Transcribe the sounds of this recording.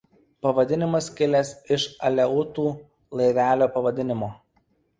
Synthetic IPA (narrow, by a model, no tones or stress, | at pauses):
pɐʋɐd̪ʲɪnʲɪmɐskʲɪlʲesɪʃɐlʲɛʊt̪uː | lˠɐɪɾʲæːlʲoːpɐʋɐd̪ʲɪnʲɪmoː